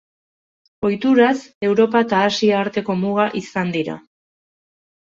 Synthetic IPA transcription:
o̞jt̪uɾase̞wɾo̞paet̪aːsiaːɾt̪e̞ko̞muɣaʔisand̪iɾa̰

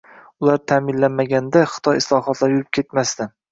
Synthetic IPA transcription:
ʊlaɾt̪ʰamɪnlanmaɡʲand̪aχɨ̥t̪ʰɒjɪslˠɒɦɒt̪ʰlaɾjʊɪp̚kʲʰe̞t̪mast̪ɪ

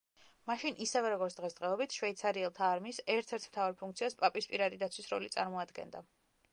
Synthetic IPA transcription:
maʃinʔisɛvɛɾɔɡɔɾt̪sʰd̪ʁɛsd̪ʁɛɔbit̪ʰʃvɛit̪sʰaɾiɛlˠt̪ʰaːɾmiːsɛɾt̪ʰɛɾt̪ʰmt̪ʰavaɾpʰuŋk̚t̪sʰiaspʼapʼispʼiɾad̪id̪at̪sʰwisɾɔ̰lit̪sʼa̰ɾmɔad̪ɡɛ̰nd̪a

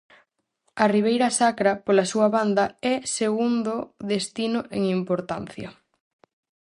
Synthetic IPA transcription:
ɐriβ̞ejɾɐsakɾɐpolɐsuɐβand̪ɐɛseɣund̪oðest̪inʊʔeŋimpoɾt̪an̟θjɐ̰

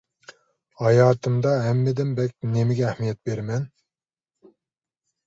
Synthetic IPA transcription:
hɑjɑːt̪ʰɨmd̪ɑɦɛmːɪd̪ɪmbɛkʲnemɪɡʲɛːhmijɛt̪̚beɾmɛn

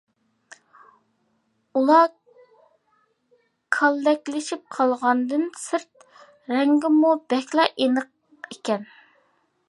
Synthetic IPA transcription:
ulˠɑ | kʰɑlˠːɛkʲlɪʃip̚qʰɑlˠʁɑnd̪ɨnsɨɾt̪̚ | ɾɛŋɡʲɪmubɛkʲlˠɑʔenəq̚ | ekʲɛn

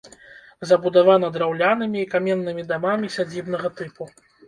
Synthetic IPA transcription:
zɐbud̪avan̪ɐd̪ɾawlʲanɨmʲiːkamʲɛnːɨmʲid̪amamʲisʲad͡zʲibnɐɣɐt̪ɨpu

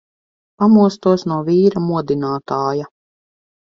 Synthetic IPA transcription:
pamuɔst̪uɔsnuɔviːɾamuɔd̪inaːt̪aːja

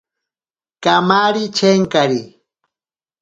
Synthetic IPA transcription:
kamaɾit͡ʃeŋkaɾi

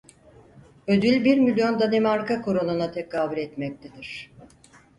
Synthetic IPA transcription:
ø̞d̪ylʲbiɾmilʲjo̞nd̪anemaɾkakʰoɾonunat̪ʰekʰaːbylʲɛt̪mɛc̚t̪ʰed̪iɾ̝̥

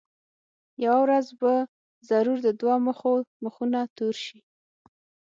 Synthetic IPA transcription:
jawawɾazba | zaɾuɾd̪əd̪wɑməxoməxunat̪uɾʃi

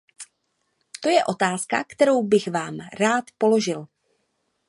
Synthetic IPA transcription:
t̪o̞jɛʔo̞t̪aːska̰kt̪ɛɾo̞wbɪɣvaːmɾaːt̪po̞lo̞ʒɪl

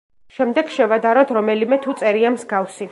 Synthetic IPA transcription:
ʃɛmd̪ɛɡʃɛvad̪aɾɔt̪ʰɾɔmɛlimɛt̪ʰut̪sʼɛɾiamzɡafsi

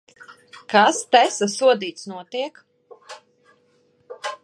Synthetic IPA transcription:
kast̪ɛsasuɔd̪iːt̪snuɔt̪iɛk

